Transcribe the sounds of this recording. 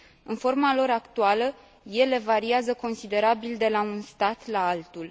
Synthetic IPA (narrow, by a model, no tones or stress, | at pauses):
ɨnfo̞rmalo̞ɾakt̪ualə | je̞le̞vaɾiazəko̞nsid̪e̞ɾabild̪e̞launst̪at̪laalt̪ul